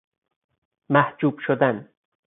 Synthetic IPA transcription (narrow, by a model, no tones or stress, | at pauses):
mæhd͡ʒuːb̥ʃod̪æn